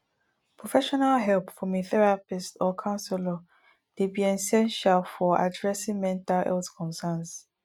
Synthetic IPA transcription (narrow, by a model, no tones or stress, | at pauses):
pʰɹɔfɛʃɔnalɦɛlpfɔmiθɛɹapistɔkʰãʊ̃nsɛlɔ | debiɛ̃sɛ̃nʃalfɔa̰dɹɛsĩŋmɛ̃ntalɛ̰ltkʰɔ̃nsɛns